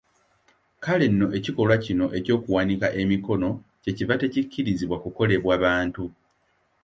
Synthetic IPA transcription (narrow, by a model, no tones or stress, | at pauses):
kale̞nːo̞ʔe̞ciko̞lwacino̞ʔe̞co̞ːkuwanikaʔe̞miko̞no̞ce̞civate̞cicːiɾiziβwakuko̞le̞βwaːβaːntu